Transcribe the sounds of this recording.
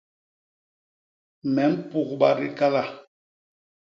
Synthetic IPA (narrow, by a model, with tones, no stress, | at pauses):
mɛ˨˦m̩˦pu˨kɓa˨ɾi˦ka˦la˦˨